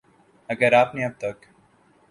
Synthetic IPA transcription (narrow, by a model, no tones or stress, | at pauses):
əɡəɾaːpnĩːəb̚t̪ək